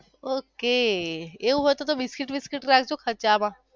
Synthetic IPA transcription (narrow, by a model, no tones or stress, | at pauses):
okeeũɦojt̪ot̪obiskiʈbiskiʈɾakʰd͡ʒokʰət͡ʃamã